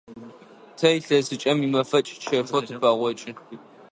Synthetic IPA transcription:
tʰɐjiɬɐsɨt͡ʃʼɐmimɐfɐt͡ʃʼt͡ʃʰɐrfotʰɨpaːʁʷɔt͡ʃʼɪ

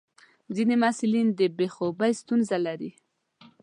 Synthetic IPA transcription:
zinemasulind̪əbexobajst̪unzalaɾi

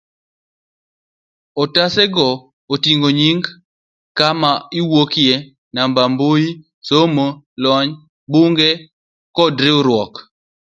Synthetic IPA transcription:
otasɛɡɔ | otiŋɡoɲiŋɡ | kamaɪwokje | nambamboji | somo | lɔɲ | buŋɡe | kɔdɾɪɾwɔk

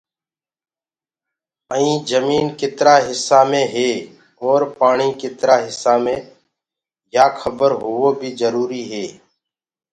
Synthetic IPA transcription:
əĩːd͡ʒəmiːnkɪt̪ɾaːɦɪsːaːmẽːɦeː | ɔːɾpaːɳ̃iːkɪt̪ɾaːɦɪsːaːmẽː | jaːkʰəbəɾɦʊoːbʱiːzəɾuːɾiːɦeː

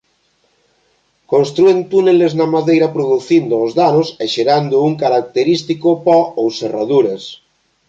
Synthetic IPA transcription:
kõnst̪ɾuent̪uneleznamaðejɾapɾoðuθind̪oozðanoseʃeɾand̪ouŋkaɾak̚t̪eɾist̪ikopɔowseraðuɾes

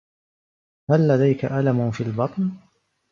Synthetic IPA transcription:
halːad̪ajkaʔalamʊfiːlbɑt̪ˤn

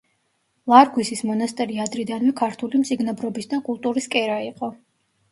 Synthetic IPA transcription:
lˠaɾɡwisismɔnast̪ʼɛɾiad̪ɾid̪anvɛkʰaɾt̪ʰulimt̪sʼiɡnabɾɔbisd̪akʼulˠt̪ʼuɾiskʼɛɾaiqʼɔ

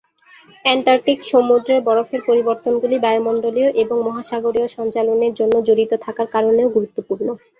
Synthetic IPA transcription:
ɛɳʈaɾʈikʃomud̪ɾeɾbɔɾofeɾpoɾiboɾt̪onɡulibaeomɔɳɖolijoʔeboŋmɔɦaʃaɡoɾioʃɔnt͡ɕaloneɾd͡ʑonːod͡ʑoɾit̪ot̪ʰakaɾkaɾoneoɡuɾut̪ːopuɾno

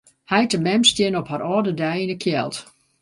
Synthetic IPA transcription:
hɛjtəmɛmstjɪnɔphaɾɔːdədɛjinəkʰjɛ̰lˠt

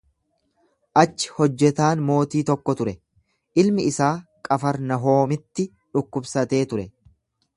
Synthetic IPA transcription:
ʔɐt͡ʃːɪ̥hɔd͡ʒːɛt̪aːnmo̞ːt̪iːt̪ɔkːɔt̪ʊɾɛ | ʔɪlmɪɪsaːkʼɐfɐɾnɐɦo̞ːmɪt̪ːɪ | ᶑʊkːʊbsɐt̪e̞ːt̪ʊɾɛ

